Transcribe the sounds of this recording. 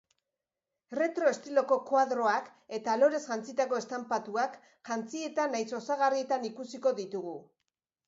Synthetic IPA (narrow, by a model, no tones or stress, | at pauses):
re̞t̪ɾo̞e̞st̪ilo̞ko̞kwað̞ɾo̞ake̞t̪alo̞ɾe̞sʝant͡sit̪ako̞e̞st̪ampat̪uak | ʝant͡sie̞t̪anajso̞saɣarie̞t̪anikusiko̞ðit̪uɣu